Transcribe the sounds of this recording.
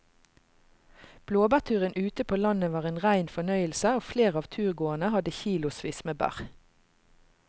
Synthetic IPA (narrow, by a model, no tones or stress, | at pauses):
b̥loːbæʁt̪ʰʉːʁənʔʉːt̪əpʰoːlɑnəʋɑːʁeːnʁæɪnfɔnœʏəlsəoːfleːʁɑːʋt̪ʰʉːʁɡoːənəhɑd̪əçiːlʊsʋiːsmeːbæ̰ʁ